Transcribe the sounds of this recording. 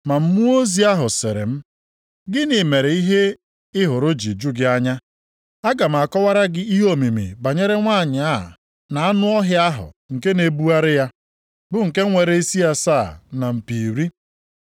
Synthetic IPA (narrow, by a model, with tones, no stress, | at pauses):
ma˨m̩˦mu˦o˦zi˨˦a˦ɦʊ˨sɪ˨ɾḛ˨m̩˦ | ɡɪ˦ni˨me˨ɾe˨i˦ɦe˦ | ɪ˦ɦʊ˨ɾʊ˦d͡ʒi˨d͡ʒʊ˦ɡɪ˦a˦ɲa˦ | a˦ɡa˨m̩˨a˨kɔ˦wa˦ɾa˦ɡɪ˦i˦ɦo˦mi˨mḭ˨ba˨ɲe˦ɾe˦ŋʷa˦˨ɲ˨a˦˨ | na˨a˦nʊ˦ɔ˦ɦjɪ˦a˦ɦʊ̰˨ŋ̩˨ke˦ne˨bu˦a˦ɾɪ˦ja˦ | bʊ˨ŋ̩˨ke˦ŋʷe˨ɾe˦i˦si˦a˦saː˦˨na˨m̩˨pi˨ɾi˦